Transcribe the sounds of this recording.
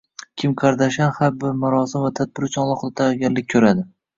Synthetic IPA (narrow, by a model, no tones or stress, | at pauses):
kʲʰɪmqʰɑɾd̪aʃanhabɪmaɾɒsɪmvat̪ʰad̪̚bɪɾt͡ʃʰɒnlˠɒqd̪at̪ʰaɡʲanlɪk̚ʲkʰɵɾad̪ɪ